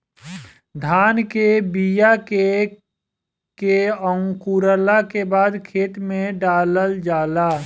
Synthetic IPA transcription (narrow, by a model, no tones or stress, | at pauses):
d̪ʱaːnkebijake | keəʊ̃kuɾəlakebaːd̪kʰeːt̪mẽɖaːləld͡ʒaːlaː